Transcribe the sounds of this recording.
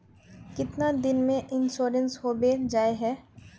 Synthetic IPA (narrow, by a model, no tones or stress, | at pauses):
kɪt̪nad̪ɪnmẽʔɪnʃoːɾənsɦoːbed͡ʒaːeɦɛː